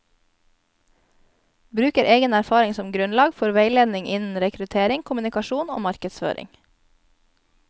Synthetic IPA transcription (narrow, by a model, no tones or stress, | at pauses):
bɾʉːkəɾʔeːɡənæɾfɑːɾɪŋsɔmɡɾʉnlɑːɡfɔɾʋeɪleːd̪nɪŋʔɪnn̩ɾɛkɾʉt̪ʰeːɾɪŋkʰʊmʉnɪkɑʃuːno̰ːmɑɾkəd̪sfø̰ːɾʔɪ̰ŋ